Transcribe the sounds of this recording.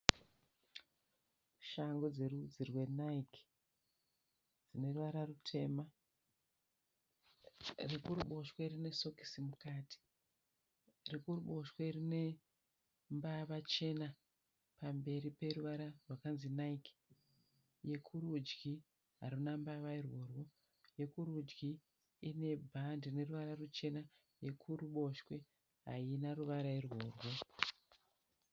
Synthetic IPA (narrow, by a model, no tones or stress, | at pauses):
ʃaŋɡod͡ze̞rud͡zirwe̞naikʰ | d͡zine̞ruʋaɾarutʰe̞ːma | rikuɾuɓo̞ʃwerine̞so̞ki̥simukaːti̥ | rikuruɓo̞ʃwerine̞ | mbaʋat͡ʃe̞na | pambe̞ripe̞ruʋaɾarwakanzinaik | je̞kʰuɾud͡ʒɡi | ɦa̰ɾunambaʋairwo̞rwo̞ | je̞kuɾud͡ʒɡi | ine̞bʱandine̞ruʋaɾarut͡ʃe̞na | je̞kʰuɾuɓo̞ʃwe̞ | ɦa̰inaruʋaɾairwo̞ːrwo̞